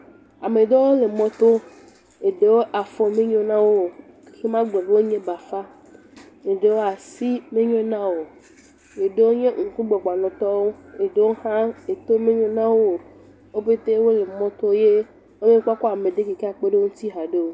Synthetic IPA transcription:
a˨me˨d̪ɔ˦wo˦le˨mɔ̃˦t̪o˦ | e˨ɖe˨wo˦ʔa˨fɔ˨me˦ɲɔ̃˦nã˦wo˦ | xe˦mã˦ɡ͡bɔ˨be˦wo˦ɲẽ˦ba˨fa˦ | e˨ɖe˨wo˦a˨si˦mẽ˦ɲɔ̃˦nã˦wo˨ | e˨ɖe˦wo˦ɲẽ˦ŋ̩˨ku˦ɡ͡bɔ˨ɡ͡ba˨nɔ̃˨t̪ɔ˦wo˦e˨ɖe˨wo˦hã˦e˨t̪o˦me˦ɲɔ̃˦nã˦wo˦˨ | wo˦be˦t̪e˦wo˦le˨mɔ̃˦t̪o˦je˦ | wo˦mẽ˦k͡pɔ˦kɔ˦a˨mẽ˨d̪e˦ke˨ke˦a˨k͡pe˦ɖe˦wo˦ŋũ˦t̪i˦ɦa˨ɖe˦wo˦

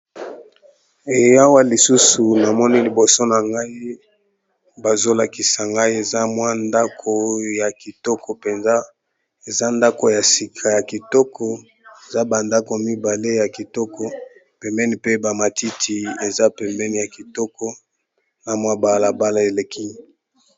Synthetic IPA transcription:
e˨ja˦wa˦li˨su˦su˨na˨mɔ˦ni˦li˨bo˨so˦na˨ŋɡa˦i˦ | ba˨zo˦la˨ki˨sa˨ŋɡa˦i˦e˨za˦mwa˦nda˦kʰo˨ja˨ki˨tɔ˦kʰɔ˨pe˨nza˦ | e˨za˦nda˦ko˨ja˨si˨kʰa˨ja˨ki˨tɔ˦kʰɔ˨ | e˨za˦ba˨nda˦ko˨mi˦ba˨le˦ja˨ki˨tɔ˦kɔ˦ | pɛ˨mbɛ˦ni˨pe˦ba˨ma˨ti˦tʰi˨e˨za˦pɛ˨mbɛ˦ni˨ja˨ki˨tɔ˦kɔ˦ | na˨mwa˦ba˨la˨ba˦la˦e˨le˨ki˦

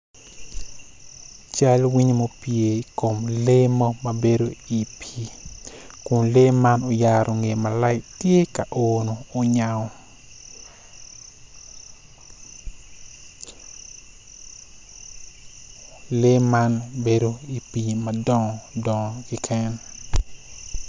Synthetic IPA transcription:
t͡ʃa˦lwi˦ɲmo˦pje˨i˨ko˨mle˦mɔ˦mabe˦do˦i˨pʰi˦ | kʊ˨nle˦ma˦no˨ja˨ɾʔo˨ŋe˨ma˨la˦ɪktje˦ka˨ʔonoː˨ɲa˨ɔ˨ | le˦ma˦nbe˦do˦i˨pi˨madɔ˦ŋɔ˨dɔ˨ŋɔ˨ki˦kʰɛ˦n

